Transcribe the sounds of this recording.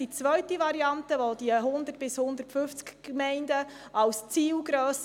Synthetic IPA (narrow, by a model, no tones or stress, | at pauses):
it͡sʋœɥtiʋɑɾiɑntəʋod̥̪iəɦʊnd̪ərtb̥ɪshʊnd̪əɾtfʏft͡skːmɛɪndə | ɑwst͡siːlɡɾøːs